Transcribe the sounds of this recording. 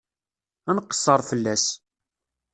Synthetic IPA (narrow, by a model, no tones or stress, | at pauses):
ænqːə̥sˤːəɾˤfəlːæs